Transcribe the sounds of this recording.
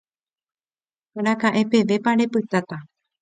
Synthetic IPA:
aɾ̃ãkãʔẽ̞pe̞ʋe̞pãɾepɨt̪at̪a

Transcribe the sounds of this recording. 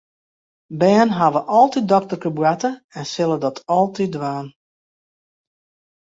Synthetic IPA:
bɛːnɦaʋəʔɔlˠtit̚dɔk̚tərkəbwatəɛnsɪlˠədɔtʰɔlˠtidʋaːn

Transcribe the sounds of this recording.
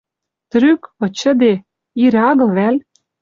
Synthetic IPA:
t̪ɾykɤ̆t͡ɕə̆d̪e | iɾʲɑɣɤ̆lβælʲ

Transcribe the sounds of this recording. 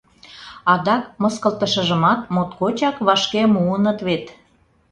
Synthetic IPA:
ɑd̪ɑkmə̆skəlt̪əʃə̆ʒə̆mɑt̪̚mot̪kot͡ɕɑkβɑʃkemuənət̪βet̪

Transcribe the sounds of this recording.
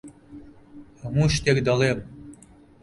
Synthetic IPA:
ŋuʃt̪ekd̪ɑlem

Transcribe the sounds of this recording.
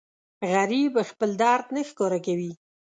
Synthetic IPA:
ɣaɾibəxpəld̪ɑɾt̪nəxkoɾakawi

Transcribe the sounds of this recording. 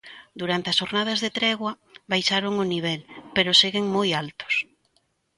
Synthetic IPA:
d̪uɾant̪eɐsoɾnað̞ɐzðet̪ɾɛɣwɐ | βajʃaɾoŋʊniβ̞ɛlpeɾʊseɣeŋmojalt̪ʊ̥s

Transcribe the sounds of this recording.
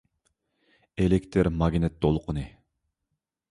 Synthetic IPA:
elekʲt̪ʰɪɾmɑɡʲnɛt̪̚d̪olˠqʰənɨ

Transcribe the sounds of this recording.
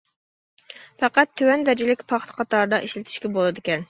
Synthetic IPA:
fɛqæt̪ʰːøwɛnd̪æd͡ʒilɪkʲpʰɑχt̪ʰɨ̥qʰɑt̪ɑɾɨd̪ɑʔiʃlɪt̪ʰɪ̥ʃkʲɛbolˠɨd̪ɪkʲɛn

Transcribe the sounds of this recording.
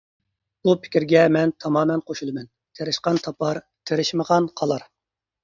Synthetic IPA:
bupʰɪ̥kʲiɾɡʲɛmɛnt̪ʰɑmɑːmɛnqʰoʃulˠɨmɛn | t̪ʰeɾɪʃqɑnt̪ʰɑpʰɑɾ | t̪ʰeɾɪʃməʁɑnqʰɑlˠɑɾ

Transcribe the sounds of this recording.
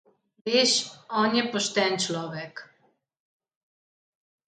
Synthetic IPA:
ʋeːʃɔːnjɛpɔʃt̪ɛnt͡ʃlɔːʋɛk

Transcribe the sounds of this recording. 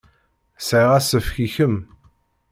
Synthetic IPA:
sʕiʁæsəfçiçəm

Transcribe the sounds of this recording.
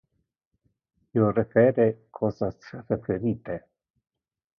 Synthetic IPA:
iorefeːɾekʰɔːsasrefeɾiːt̪e

